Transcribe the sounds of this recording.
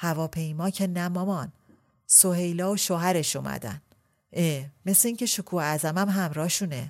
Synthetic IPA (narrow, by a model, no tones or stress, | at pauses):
hævɒːpʰe̞jmɒːcʰenæmɒmɒːn | soɦe̞jlɒːoʃoɦæɾe̞ʃomæ̰d̪æ̰n | ʔeme̞sleiːŋcʰe̞ʃokʰuːæzæmæmɦæmɾɒːʃuːnḛ